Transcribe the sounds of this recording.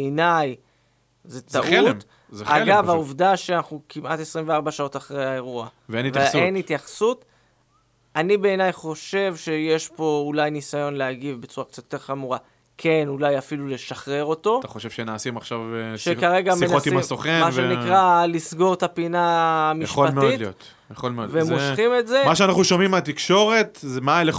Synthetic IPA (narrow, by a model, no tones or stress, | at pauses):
eenaj | zet̪aʔmt | zalɡavauvdaʃeanaχnukimʔat̪e̞sʁimveaʁbaʃao̞t̪aχʁejae̞ʁuaveenitveenhit̪jaχsut̪ | anibe̞ːnajχo̞ʃe̞vʃejeʃpo̞ulajnisajo̞nleaɡivbet͡suʁakt͡satot̪eʁχamuʁa | kʰe̞nulajafilule̞ʃaχʁe̞ʁo̞t̪o̞t̪aχoʃevʃenaːsimaχʃavʃekaʁe̞ɡamenotsiimamsoχemaenikʁalisɡo̞ʁt̪apinamijaʃoltmeditliot̪ | jaχolmeovemoʃχimetzemaʃeanaχnuʃomimat̪ikʃo̞ʁe̞t̪zemale